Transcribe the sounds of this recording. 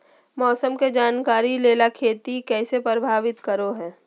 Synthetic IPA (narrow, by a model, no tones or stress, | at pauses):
mɔːsəmked͡ʒaːnkaːɾileːlakʰeːt̪ikɛːsepɾəbʱaːʋɪt̪kəɾoɦɛː